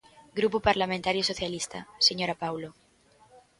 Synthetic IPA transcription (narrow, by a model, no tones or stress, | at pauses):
ɡɾupupaɾlamẽnt̪aɾjosoθjalist̪a̰seɲoɾapawlo